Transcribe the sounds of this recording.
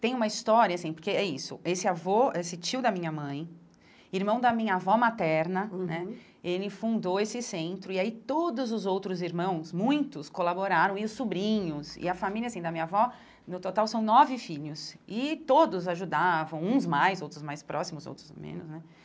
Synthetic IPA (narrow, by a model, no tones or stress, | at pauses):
t̪ẽj̃ũmɐist̪ɔɾiɐasĩpoɾkeɛisʊ̰ʔesɪavɔesɪt͡ʃiʊd̪ɐmĩɲɐmɐ̃j̃ | iɾmɐ̃w̃d̪ɐmĩɲɐavɔmat̪ɛɾnɐnɛ | elɪfũnd̪oesɪsẽnt̪ɾʊiait̪od̪ʊzʊzowt̪ɾʊziɾmɐ̃w̃smũj̃t̪ʊskolaboɾaɾɐ̃w̃ɪʊsːubɾĩɲʊsɪ̰ɐfamiliasĩd̪ɐmĩɲɐavɔ | nʊt̪ot̪awsɐ̃w̃nɔvɪfiʎʊsɪt̪od̪ʊzaʒud̪avɐ̃w̃ũzmajzowt̪ɾʊzmajspɾʔɔsimʊzo̰wt̪ɾʊzmḛ̃nʊsnɛ